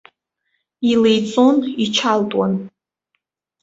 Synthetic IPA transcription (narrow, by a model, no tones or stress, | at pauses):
ilejt͡sʼonit͡ʃʰaltʼwa̰n